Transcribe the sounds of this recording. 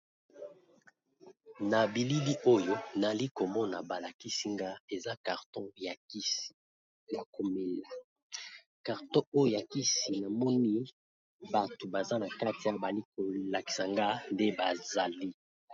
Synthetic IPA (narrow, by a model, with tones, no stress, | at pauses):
na˨bi˨li˦li˦ʔo˦jo˦na˨li˦ko˨mɔ˦na˨ba˨la˨ki˦si˦ŋɡa˦e˨za˦ka˨ʁtɔ̃˦ja˨ki˦si̥˨ | ja˨ko˨me˨la˨ | ka˨ʁtɔ̃˦o˦jo˨ja˨ki˦si˨na˨mɔ˦ni˦ | ba˨to˨ba˨za˦na˨ka˦ti˨a˦˨ba˨li˦ko˨la˨ki̥˨sa˨ŋɡa˦nde˦ba˨za˨li˦